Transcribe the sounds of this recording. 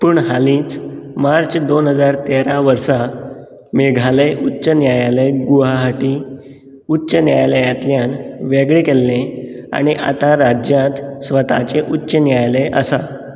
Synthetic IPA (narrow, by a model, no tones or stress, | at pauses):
puːɳɦalĩːt͡smaɾt͡ɕd̪onɦəd͡zaɾt̪eɾaʋəɾsa | meɡʱaleʔutːɕənjajaleɡuaɦaʈi | utːɕənjajləjat̪ljanʋeɡɭekelːẽa̰ɽ̃iʔa̰t̪aɾad͡ʑjãt̪sʋət̪a̰t͡ɕeʔutːɕənjajleʔəsa